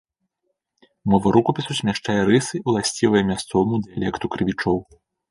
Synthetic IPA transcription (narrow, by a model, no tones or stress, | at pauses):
mɔvɐɾʔukɐpʲisusʲmʲaʂt͡ʂajɛɾɨsɨulˠasʲt͡sʲivɐjɛmʲast̪sɔvɐmud̪ɨjalʲɛkt̪ukɾɨvʲit͡ʂɔw